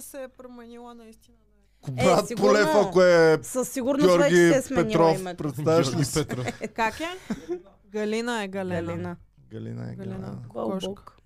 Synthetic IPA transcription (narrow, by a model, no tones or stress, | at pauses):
sɛpɾomɛnilˠɐnɐist̪inə | kobɾat̪ipolɛfakoɛsɐsːiɡʊɾnɡɔɾɛɡʲiɛɛsmpɛniɾɔfmɛpɾɛt̪st̪avɐʃlit̪ɾkakɛ | ɡɐlinəɛɡɐllinə | ɡɐlḭnə̰ɛ̰ɡ̪ɔɔk